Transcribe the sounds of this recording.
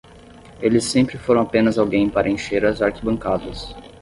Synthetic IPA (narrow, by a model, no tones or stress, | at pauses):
elɪsẽmpɾɪfoɾɐ̃w̃apẽnɐzawɡẽj̃paɾɐẽʃeɾɐzaɾkibɐ̃ŋkad̪ɐs